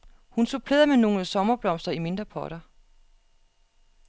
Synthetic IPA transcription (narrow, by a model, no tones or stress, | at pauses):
hunsʰopʰleðˠɐmeno̝ːləsɒ̽mɐb̥lɒ̽m̰sd̥ɐime̝nd̥ʁɐpʰɒːɾ̥ɐ